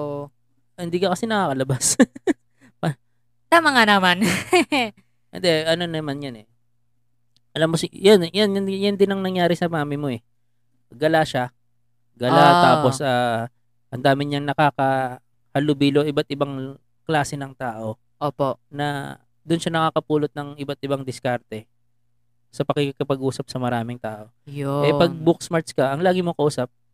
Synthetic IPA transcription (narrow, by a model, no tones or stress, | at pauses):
o | hɪnd̪iːkɐkɐsɪnɐkaːkɐlɐbas | pɐ | t̪ɐmɐŋanɐman | ʔɛ̰nd̪ɛʔɐno̞nɐmanjɐnɛ | ʔɐlamːosɪjanjanjɐnd̪ɪnɐŋnɐŋjaːɾɪsɐmaːmɪmo̞ʔɛ | ɡɐlaʃa | ɡɐlat̪aːpo̞sʔaː | ʔɐnd̪aːmɪɲɐŋnɐkaːkɐ | hɐlʊbiːlo̞ʔɪbat̪ʔɪbɐŋ | klaːsɛnɐŋt̪aːʔo̞ | oːponɐ | d̪ʊnʃanɐkakɐpuːlot̪̚nɐŋʔɪbat̪ʔɪbaŋd̪ɪskaɾt̪ɛ | sɐpɐkɛkkɐpɐɡʔuːsɐp̚sɐmɐɾaːmɪŋt̪aːʔo̞joʔɛpɐɡ̚bʊksmaɾt̪skɐʔɐŋlaːɡɪmokɐʔuːsɐp̚